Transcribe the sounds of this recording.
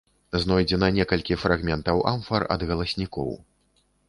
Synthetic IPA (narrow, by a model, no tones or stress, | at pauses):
znɔjd͡zʲɛnɐnʲɛkɐlʲkʲifɾaɣmʲɛnt̪ɐwʔamfɐrɐ̰d̪ɣɐlˠɐsʲnʲikɔ̰w